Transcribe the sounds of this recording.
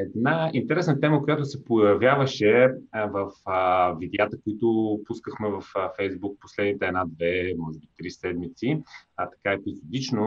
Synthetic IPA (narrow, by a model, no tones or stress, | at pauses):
ɛd̪naint̪ɛɾɛsnət̪ɛməkojat̪ʊsɛpojɐvjavəʃɛvəfvid̪ɛat̪əkoit̪ʊpuskəxmɛvɐffɛjzbuk̚po̥slɛd̪nit̪ɛɛnad̪vɛmɔʒɛbit̪ɾisɛd̪mit̪sit̪ɐ̥kaɛpizod̪it͡ʃno